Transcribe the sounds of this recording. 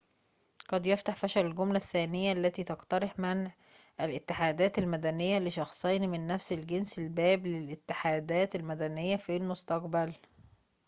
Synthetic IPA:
ɡ̥ɑd̪jeft̪aħfæʃælɪlɡomlæθːæːnɪjːæʔlːæt̪iːt̪ɑqt̪ɑɾˤeħmɪnʕ | ʔælʔɪt̪ːɪħaːd̪æːt̪ælmæd̪ænɪjːæleʃɑxsˤejnimɪnːæfsɪlɡensɪlbæːblɪlʔɪt̪ːɪħaːd̪æːt̪ælmæd̪ænejːæfilmʊst̪ɑqbæl

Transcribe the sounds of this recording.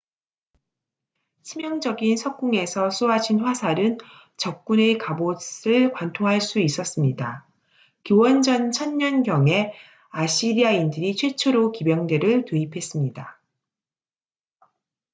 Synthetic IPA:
sʰimjʌŋd͡ʑʌɡinsʰʌk̚k͈uŋe̞sʰʌs͈ʰoɦaɕʰinɸwasʰaɾɯn | t͡ɕʌp̚k͈une̞kaboɯɭkwantʰoŋɦaɭs͈uis͈ʌs͈ɯmɲida | kjowʌnd͡ʑʌnt͡ɕʰʌnɲʌnɡjʌŋe̞ | aɕ͈ʰiɾiaindɯɾit͡ɕʰwe̞t͡ɕʰoɾokibjʌŋde̞ɾɯɭtuipʰe̞s͈ɯmɲida

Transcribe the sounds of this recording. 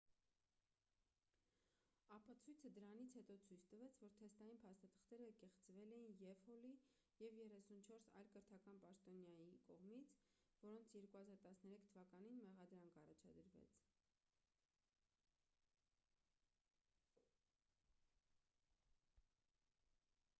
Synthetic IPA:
ɑpɑt͡sʰujt͡sʰəd̪əɾɑnit͡sʰhɛt̪ɔt͡sʰujt͡sʰt̪əvɛt͡sʰvɔɾt̪ʰɛst̪ɑjinpʰɑst̪ɑt̪ʰə̥χt̪ɛɾəkɛχt͡svɛlɛjinjɛvhɔli | jɛvjɛrɛsunt͡ʃʰɔɾsɑ̰jlkəɾt̪ʰɑkɑnpɑʃt̪ɔnjɑjikɔʁmit͡sʰvɔɾɔnt͡sʰjɛɾkuhɑzɑɾt̪ɑsnɛɾɛkʰt̪ʰəvɑkɑninmɛʁɑd̪ɾɑŋkʰɑrɑt͡ʃʰɑ̰d̪əɾvɛ̰t͡sʰ

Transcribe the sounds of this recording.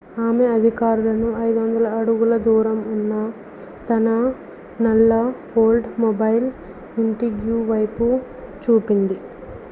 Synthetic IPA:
aːme̞ɐd̪ʱikaːɾulɐnuɐjd̪uʋɐnd̪ɐlɐːɽuɡulɐd̪uːɾɐmunːɐ | t̪ɐnɐ | nɐlːɐ | oːlɖmobɐjl | iɳʈiɡjuːʋɐjpu | t͡ʃuːpind̪i

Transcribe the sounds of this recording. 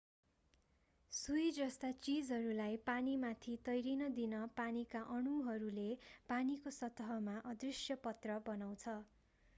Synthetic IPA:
sujd͡zʌst̪at͡sid͡zɦʌɾulajpanimat̪ʰit̪ʌjɾinʌd̪inʌpanikaʔʌɽ̃uɦʌɾulepanikosʌt̪ʌɦʌmaʔʌd̪risjʌpʌt̪rʌbʌnaw̃t͡sʰʌ

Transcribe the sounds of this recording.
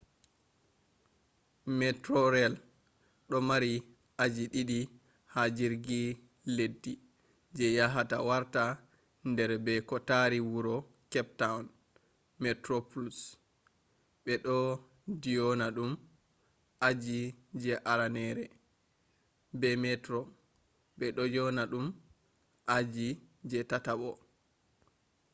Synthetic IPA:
mɛtɾɔɾɛl | ɗɔmaɾi | ad͡ʒiɗiɗi | had͡ʒiɾɡi | ledːi | d͡ʒɛjaɦatawaɾta | ndɛɾbɛkɔtaɾiwuɾɔ | kɛp̚tawn | mɛtɾoplus | ɓɛɗɔ | dijɔnaɗum | ʔad͡ʒid͡ʒɛʔaɾanɛɾɛ | bɛmɛtɾɔ | ɓɛɗɔjɔnaɗum | ʔad͡ʒid͡ʒɛtataɓɔ

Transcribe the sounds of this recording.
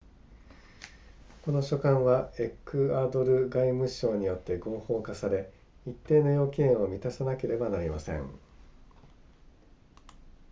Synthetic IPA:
ko̞no̞ɕo̞kãɰ̃βae̞kːɯaːd̪o̞ɾɯ̟ɡaimɯ̟ɕo̞ːɲ̟ijo̞t̪ːe̞ɡo̞ːho̞ːkasaɾe̞ | it̪ːe̞ːnojo̞ːkʲiẽo̞mʲit̪asanake̞ɾe̞banaɾʲimasẽ̞̰ŋ

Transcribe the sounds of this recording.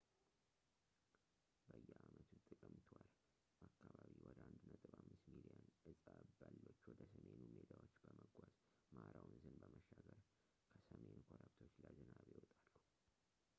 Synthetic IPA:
bəjːɛamət̪ʰut̪ʼɨkʼɨmt̪ʰwal | akːaβaβiwɔd̪əand̪nət̪ʼɨβamːɨst̪milijanʔɨsʼabalːot͡ʃːwɔd̪əsəmenumed̪ʰawo̞t͡ʃːbəməɡʷaz | maɾawnzɨnbəməʃːaɡəɾ | kʰəsəmenkʰoɾabt̪ʰo̞t͡ʃːlazɨnaβjɛwɔt̪ʼalːu

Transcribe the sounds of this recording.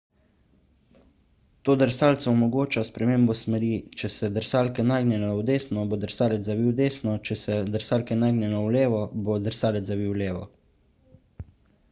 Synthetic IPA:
t̪oːd̪əɾsaːlt̪sɔɔmɔɡoːt͡ʃaspɾɛmeːmbɔsmɛɾit͡ʃɛsɛd̪əɾsaːlkɛnaɡnɛnɛwd̪eːsnɔbod̪əɾsaːlɛt̪zabiːwd̪eːsnɔt͡ʃɛsɛd̪əɾsaːlkɛnajɡnɛnɔwleːʋɔbod̪əɾsaːlɛt̪zabiwleːʋɔ̰

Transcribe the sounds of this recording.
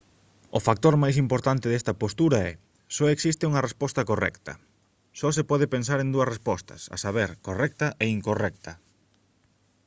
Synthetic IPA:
ʊfak̚t̪oɾmajs̬impoɾt̪ant̪ɪðest̪ɐpost̪uɾɐɛ | sɔeksist̪euŋɐrespɔst̪ɐkorɛ̰kt̪ɐ̰ | sɔs̬epɔðɪpens̬aɾend̪uɐsrespɔst̪ɐ̰sɐ̰saβ̞eɾkorɛk̚t̪ɐʔeiŋkorɛk̚t̪ɐ

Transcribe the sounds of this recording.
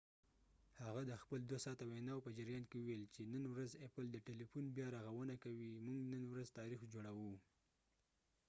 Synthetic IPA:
haɣad̪əxpəld̪wasɑt̪awenɑwpəd͡ʒaɾjɑnkewəwelt͡ʃenənwɾazepəld̪əʈelifunbjɑɾaɣawənakawimuŋɡnənwɾazt̪ɑɾixd͡ʒoɽawu

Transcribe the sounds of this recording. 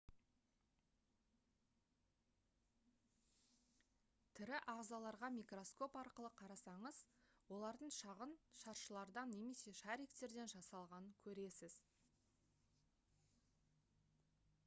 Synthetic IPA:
t̪ʰɪɾɪʔɑʁzɑlˠɑɾʁɑmijkro̞sko̞pɑɾqəlˠəqʰɑɾɑsɑɴəz̥wo̞lˠɑɾd̪əɴʃɑʁənʃɑɾʃəlˠɑɾd̪ɑnːe̞me̞se̞ʃæɾijkt̪e̞ɾd̪e̞nʒɑsɑlˠʁɑnəŋkʲʰɵɾe̞sɪz̥

